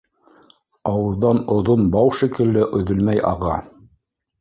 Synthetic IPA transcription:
ɑwɤ̆ððɑnŏðonbɑwʃikɘ̆lːɘʔɵ̆ðɵ̆lmæjɑ̰ʁɑ̰

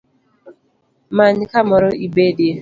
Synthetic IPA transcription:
maɲkamɔɾɔʔibedje

